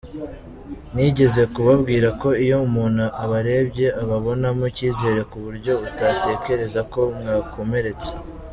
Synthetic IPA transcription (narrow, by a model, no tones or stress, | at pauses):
niɟe̞ze̞kuβabɡiːɾako̞ijo̞umuːnhuʔaβaɾe̞bɟe̞aβaβo̞namuciːze̞ɾe̞kuβuɾɟo̞utate̞ce̞ɾe̞zako̞mŋaːkʰo̞me̞ɾe̞t͡se̥